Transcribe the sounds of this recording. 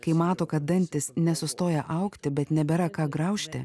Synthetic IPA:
kɐɪmɑːt̪oːkɐt̪̚d̪ɐnʲt̪ʲɪsnʲɛsʊst̪oːjɛʔɐʊkt̪ʲɪbʲɛt̪nʲɛbʲɛɾɐkɑːɡɾɐʊʃʲt̪ʲɪ̰

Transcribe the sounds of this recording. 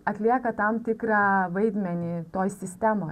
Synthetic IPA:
ɐt̪ʲlʲiɛkɐt̪ɐmt̪ʲɪkɾɑʋɐɪd̪ʲmʲɛnʲɪt̪oːjsʲɪsʲt̪ʲɛmoː

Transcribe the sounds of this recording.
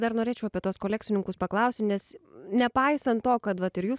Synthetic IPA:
d̪ɐɾnoːɾʲeːt͡ʃʲɛʊpʲiɛt̪uoɔskoːlʲæːkt͡ssʲɪnʲɪŋkʊspɐklˠɐʊsʲɪnʲɛsnʲɛpɐɪsɐnt̪tːoːkɐt̪ʋɐt̪ɪɾjuːs

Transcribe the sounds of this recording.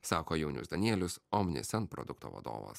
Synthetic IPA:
sɑːkoːjɛʊnʲʊ̰sd̪ɐnʲiɛlʲʊsɔmnʲɪ̰sʲɛnpɾɔ̰d̪ʊkt̪o̰ːʋɐ̰d̪o̰ːʋɐ̰s

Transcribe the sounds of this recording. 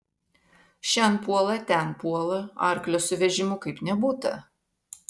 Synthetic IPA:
ʃʲɛnpuɔlˠɐt̪ʲɛˑnpuɔlˠɐɐ̰ˑɾklʲoːsʊʋʲɛʒʲɪmʊkɐɪpnʲɛbuːt̪ɐ̰

